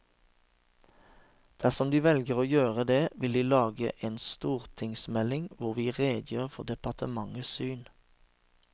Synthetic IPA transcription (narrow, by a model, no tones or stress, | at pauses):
d̪̥æʁsɔmd̪iːʋɛlɡəʁoːjøːʁəd̪eːʋɪld̪iːlɑːɡə̰ʔeːnst̪uːʁt̪ʰɪŋsmɛlɪŋʋʊʁʋiːʁeːd̪jøːʁfɔʁd̪ɛpɑʁt̪ʰəmɑŋəsyːn